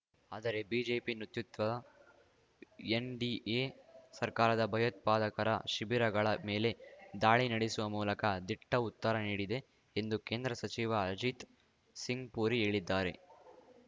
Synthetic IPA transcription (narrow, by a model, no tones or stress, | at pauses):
aːd̪ɐɾe̞biːd͡ʒe̞ːpinut̪jut̪ʋɐɐ | enɖiʔeːsɐɾkaːɾɐd̪ɐbʱɐjɐt̪̚paːd̪ɐkɐɾɐʃibiɾɐɡɐɭɐme̞ːle̞d̪aːɭinɐɽisuʋɐmuːlɐkɐd̪iʈːɐut̪ːɐɾɐniːɽid̪e̞ː | nd̪uke̞ːnd̪ɾɐsɐt͡ʃiʋɐd͡ʒit̪ | siŋɡpuːɾie̞ːɭid̪ːaːɾe̞̰